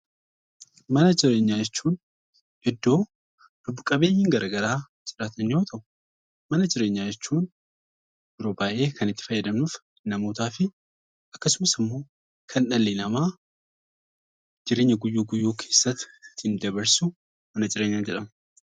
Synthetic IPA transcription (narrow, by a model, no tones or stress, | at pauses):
mɐnɐd͡ʒɪɾe̞ːɲːad͡ʒɛt͡ʃːuːn | ʔɪd̪ːo̞ː | d̥ʊbʊkʼɐbe̞ːjːɪŋɡɐɾɐɡɐɾaː | t͡ʃʼɪɾaːt̪ʰɐnːɪjo̞ːt̪ʰɐʔʊ̥ | mɐnɐd͡ʒɪɾe̞ːɲːaːjɛt͡ʃːuːn | bɪɾobaːʔe̞ːkʰɐnɪt̪ːɪfɐjːɛd̪ɐmnuf | nɐmo̞ːt̪aːfɪ | ʔɐkːɐsʊmɐsɪmːo̞ː | kʰɐnᶑɐlːinɐmaː | d͡ʒɪɾe̞ːɲːɐɡʊjːuːɡʊjːuːkʰe̞ːsːɐt̪ːɪt̪ʰːɪnd̪ɐβɐɾsʊ | mɐnɐd͡ʒɪɾeːɲːaːd͡ʒɛᶑɐmɐ